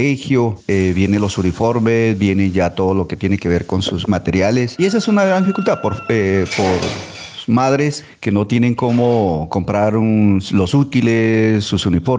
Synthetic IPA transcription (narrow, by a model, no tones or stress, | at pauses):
exjoeβje̞nelo̞sunifo̞ɾmesbje̞ne̞d͡ʒat̪o̞ðo̞lo̞ke̞t̪je̞neke̞β̞e̞ɾko̞nsusmat̪e̞ɾjalesies̬oesunaɣɾand̪ifikult̪aðpoɾepoɾ | maðɾes | ke̞no̞t̪je̞ne̞ŋko̞moko̞mpɾaɾunlo̞sut̪ilesːusunifo̞ɾ